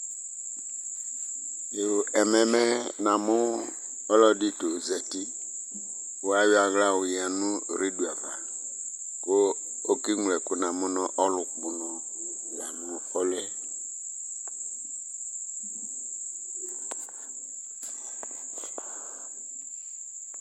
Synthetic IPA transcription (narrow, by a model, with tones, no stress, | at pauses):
le˨ɛ˨mɛ˨mɛ˦nã˨mʊ˦ | ɔ˦lɔ˦di˦to˨zɛ˨tɪ˦ | wo˦a˦jʊ˦a˨ɣla˦wʊ˨ja˨nʊ̃˦ɾi˦du˨a˨va˨ | ko˦ | o˦ki˦ŋ˨lɛ˨kʊ˦nã˨mʊ̃˦nɔ̃˦ʔɔ˦lʊ˨k͡pʊ˨nɔ˨ | ja˨nʊ̃˨fɔ˦lɛ˦